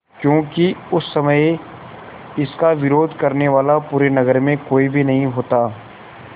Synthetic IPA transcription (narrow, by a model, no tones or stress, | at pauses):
kjõːkiʊsːɐməj | ɪskaʋɪɾoːd̪ʱkɐɾneʋaːlapuːɾenɐɡəɾmẽkoːibʱinɐɦĩɦoːt̪aː